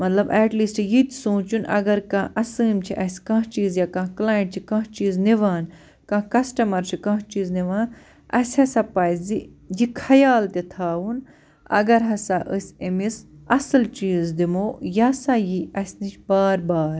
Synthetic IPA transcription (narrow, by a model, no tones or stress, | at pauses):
mɐt̪lɐbɐːʈliːsʈjit̪ʲsoːt͡ʃunʔɐ̰ɡɐɾkãʔɐsɨːmt͡ʃʰiʔɐsʲkãːɦt͡ʃiːzjaːkãklaːjəɳʈt͡ʃʰikãːt͡ʃiːzniʋaːn | kãːkɐsʈɐmɐɾt͡ʃʰikɐ̃ɦt͡ʃiːzniʋaːn | ɐ̰sʲhɐsʲɐpɐjzijikʰɐjaːlt̪et̪ʰaːʋun | ɐ̰ɡɐɾɦɐsaʔəsʲemisɐsɐlt͡ʃiːzd̪imoːjasajiɐsʲnit͡ʃʰbaːɾbaːɾ